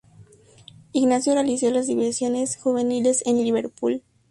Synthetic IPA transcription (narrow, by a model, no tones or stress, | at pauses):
iɣnasjo̞realisjo̞lazðiβesjo̞ne̞sxuβe̞nile̞senliβeɾpul